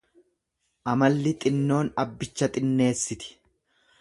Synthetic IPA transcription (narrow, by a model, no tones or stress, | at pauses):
ʔɐmɐlːɪt̪ʼɪnːo̞ːnɐbːɪt͡ʃːɐt̪ʼɪnːe̞ːsːɪt̪ɪ̥